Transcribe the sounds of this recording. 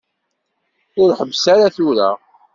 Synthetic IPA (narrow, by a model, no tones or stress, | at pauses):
ʊɾħəvːsaɾaθʊɾa̰